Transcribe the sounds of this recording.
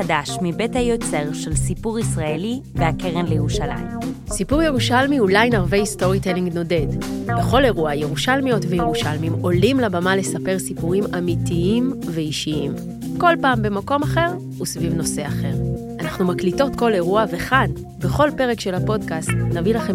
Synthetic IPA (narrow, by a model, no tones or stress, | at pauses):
adaʃmibethajot͡se̞ʁʃelsipuʁisʁaeliveakeʁenlejeʁuʃala̰jmsipuʁjeʁuʃalmiulajnaʁvejisto̞ʁiteliŋɡno̞de̞dbeχo̞le̞ʁuajeʁuʃalmijo̞tvejeʁuʃalmimo̞limlabamale̞sape̞ʁsipuʁimamitiimveiʃiim | ko̞lpaːmbe̞mako̞maχe̞ʁ | usvivno̞se̞aχe̞ʁ | anaχnumaklito̞tko̞le̞ʁuave̞χan | be̞χo̞lpe̞ʁekʃe̞lhapo̞dkastnavilaχe